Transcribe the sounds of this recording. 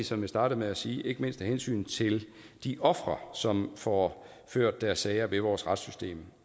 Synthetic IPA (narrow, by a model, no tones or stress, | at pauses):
isɒ̽mʋesd̥ɑ̈ːɾ̥əmeæsiːʔe̝ɡ̥əme̝nsd̥hæhensy̰ːnt͡sʰe̝l | d̥iʔɒ̽fʁɐsɒ̽mfɒ | føɐ̰d̥ːæɐsːɛɪɐʋe̝ʋɒːsʁad̥sysd̥e̝̰ːm